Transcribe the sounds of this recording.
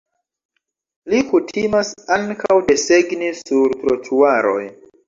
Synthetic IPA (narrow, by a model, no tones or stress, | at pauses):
likutʰimasaŋkʰawde̞se̞ɡnisuɾtɾotʰuaɾo̞̰j